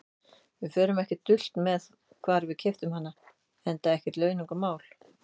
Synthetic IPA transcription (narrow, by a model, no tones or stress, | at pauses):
vɪfœːɾʏmɛhcɪt̪ʏl̥t̪mɛð | kʰvaːɾvɪðcʰɪft̪ʏmhan̪ːa | ɛnt̪aɛhcɪt̪lœːɥniŋkamaːwl̥